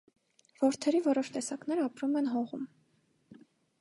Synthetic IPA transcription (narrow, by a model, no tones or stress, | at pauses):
v̥ɔɾt̪ʰɛɾivɔɾɔʃt̪ɛsɑknɛɾɑpɾumɛnɦɔʁum